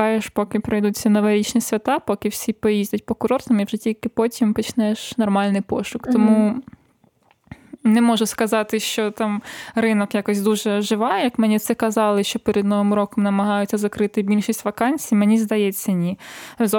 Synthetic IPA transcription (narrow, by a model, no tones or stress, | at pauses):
ɑjeʃpɔkɪpɾɪjd̪ut͡sʲːɐnɔʋɛɾʲit͡ʃnʲisʲʋʲɐt̪ɑpɔkɪwsʲipɔjizʲdʲɐtʲpɔkʊɾɔrt̪ɐmiwʒɪtʲilʲkɪpɔtʲimpɔt͡ʃnɛʃnɔrmɑlʲnɪjpɔʃʊkt̪ɔmu | nɛmɔʒʊskɐzɑt̪ɪʃt͡ʃɔt̪ɑmrɪnɔkjɑkɔsʲd̪uʒɛʒɪʋɑjɐkmɛnʲit̪sɛkɐzɑlˠɪʃt͡ʃɔpɛɾʲɛd̪nɔʋɪmɾɔkɔmnɐmɐɦɑjʊt͡sʲːɐzɐkɾɪt̪ɪbʲilʲʃisʲtʲʋɐkɑnʲt͡sʲijmenʲizd̪ɐjɛt͡sʲːɐnʲizɔ